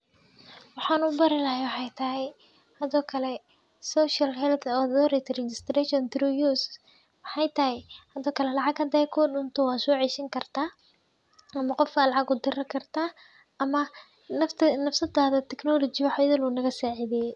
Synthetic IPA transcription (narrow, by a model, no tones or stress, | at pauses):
wɑħɑːnʊbɐɾɪlɐɦɛwɑħɑjt̪ʰɐɦɛj | hɐðɔːkʰɐlɛ | sɔːʃɐlhɛlt̪ʰɔðɔːɾɛt̪ʰrɛt͡ʃɪst̪rɛʃɔnt̪ɾujus | wɑħɑjt̪ʰɐɦɛjhɐðɔːkʰɐlɛlɑʕɑɡhɐd̪ɐjkʰɔːɖʊnt̪ʰɔwɑːsɔːʕiːʃɪŋkʰɐrt̪ʰaː | ʔɐmɐqɔfkalɑʕɑɡʊd̪ɪrɐkʰɐrt̪ʰaː | ʔɐmɐ | ɐt̪ʰnɐfsɐd̪aːðɐt̪ʰɛknɔːlɔt͡ʃɪjwħajɐðɪlunɐɣɐsaːʕɪðɛj